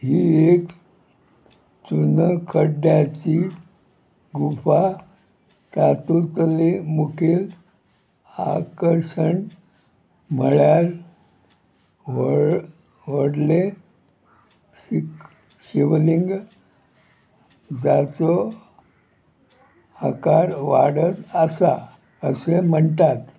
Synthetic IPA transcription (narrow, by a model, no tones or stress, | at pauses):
ɦiek | t͡sunəkʰəɖjat͡ɕi | ɡufa | t͡sat̪ut̪əlemukʰeːl | aa̰kəɾɕəɳ | m̤əɭjaɾ | ʋoɽle | ik | ɕiʋliŋɡ | d͡zat͡sɔ | akaɾʋaɽət̪əsa | əsem̤əɳt̪at̪